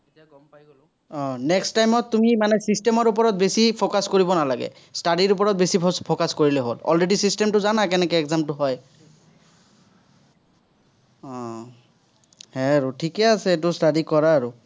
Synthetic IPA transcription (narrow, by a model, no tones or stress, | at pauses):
ɡɔmpajɡol | ɔ̃nɛkstajmɔtːumimanɛsistɛmɔɹup̬ɔɹɔt̚besipʰokaskoɹibɔnalaɡɛ̰ | stadiɹup̬ɔɹɔt̚besipʰokaskoɹilɛɦo̰lɔ̰lɹedisistɛmtʊzanakɛnɛkɛɛkzamtʊɦɔj | ɔ | hɛɹutʰikɛasɛetʊstadikɔɹaːɹu